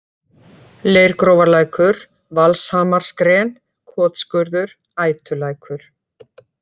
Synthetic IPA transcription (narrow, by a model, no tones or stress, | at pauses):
leːjɾkɾowvaɾlaːjkʏɾ | valshaːmaɾ̥skɾɛːn | kʰɔːt̪skʏɾðʏɾ̥ | aːjt̪ʏlaːjkʰʏɾ̥